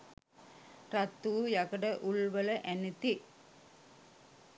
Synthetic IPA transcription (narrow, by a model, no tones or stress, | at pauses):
rat̪ːuːjakəɖəʔuɭʋələʔænit̪i